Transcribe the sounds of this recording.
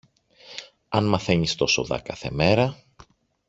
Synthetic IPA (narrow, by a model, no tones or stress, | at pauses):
ɐnmɐθe̞ɲist̪o̞soðɐ̰kɐθe̞̰me̞ɾɐ